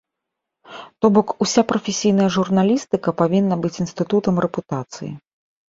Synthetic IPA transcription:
t̪ɔbɔkusʲapɾɐfʲesʲijn̪ɐjɐʐurnalʲist̪ɨkɐpavʲinːɐbɨt͡sʲinst̪ɨt̪ut̪ɐmrɛput̪at̪sɨjḭ

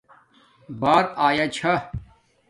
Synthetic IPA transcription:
baːɾaːjat͡ɕʰɐ

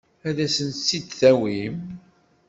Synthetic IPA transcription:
æðæsənsːid̪θæwim

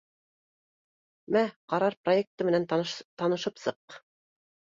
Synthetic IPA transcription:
mæqɑɾɑɾprojek̚t̪ɤmɘ̆nænt̪ɑnɤ̆ʃɤpsɤq

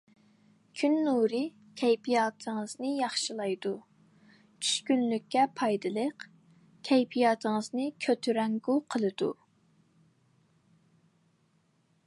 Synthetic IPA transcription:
kʲʰynːuɾɨ | kʲʰɛjpʰijɑːt̪ʰəŋəznɨjɑχʃɨlˠɑjd̪u | t͡ʃʰy̥ʃkʲynlykʲːɛpʰɑjd̪ɨlˠəq | kʲʰɛjpʰijɑːt̪ʰəŋəznɨkʲʰøt̪ʰyɾɛŋɡuqʰəlˠɨd̪ṵ

